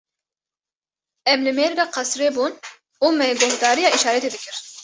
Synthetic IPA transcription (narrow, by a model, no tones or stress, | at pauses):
ɛmlɨmeɾɡɑːqʰɑsɾebuːn | uːmɛɡohd̪ɑːɾijɑːiʃɑːɾɛt̪eːd̪ɨkɨɾ